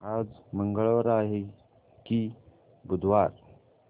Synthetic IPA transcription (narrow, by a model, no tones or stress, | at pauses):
ad͡zməŋɡəɭʋəɾaɦe | ki | bud̪ʱʋaɾ